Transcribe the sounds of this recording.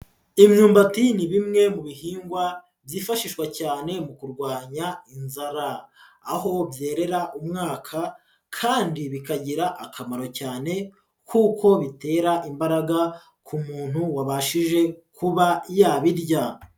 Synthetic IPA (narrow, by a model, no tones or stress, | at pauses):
imɲuːmbatiniβimŋe̞muβihiːŋɡwa | bjiːfaʃiːʃwacaːne̞mukuɾɡwaːɲainzaɾaːho̞bje̞ːɾe̞ɾaʔumŋaːkʰa | kʰaːndiβikaɟiɾaʔakʰamaɾo̞caːne̞ | kʰuːko̞βite̞ːɾaʔimbaɾaɡa | kʰumuːn̥huwaβaʃiʒe̞kuβajaːβiɾɟa